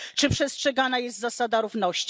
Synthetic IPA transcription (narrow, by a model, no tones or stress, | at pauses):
t͡ʂɘpʂɛstʂɛɡanajɛst̪zasad̪aɾuvnɔɕt͡ɕ